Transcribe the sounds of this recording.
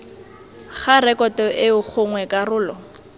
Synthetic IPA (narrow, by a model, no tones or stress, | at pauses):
χaɾɛkʼɔtɔʔɪʊk͡xʰʊŋwɛkʼarʊːlɔ